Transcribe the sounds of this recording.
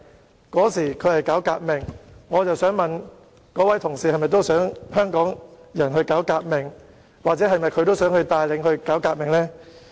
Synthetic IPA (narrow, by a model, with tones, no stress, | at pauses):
kɔː˨˥siː˨˩kʰɵ˨˧ɥhɐ˨jkaː˨˥wkaː˧k̚mɪ˨ŋŋɔː˨˧t͡sɐ˨wsœː˨˥ŋmɐ˨n | kɔː˨˥wɐ˨˥jt̪ʰʊ˨˩ŋsiː˨hɐ˨jmɐ˨jt̪̬wsœː˨˥ŋhœː˥ŋkɔː˨˥ŋjɐ˨˩nɦɵ˧ɥkaː˨˥wkaː˧k̚mɪ˨˩ŋ | waː˨t͡sɛː˨˥hɐ˨jmɐ˨jkʰɵ˨˧ɥt̪o˥wsœː˨˥ŋhɵ˧ɥt̪aː˧jlɪ˨˧ŋhɵ˧ɥkaː˨˥wkaː˧k̚mɪ˨ŋlɛː˥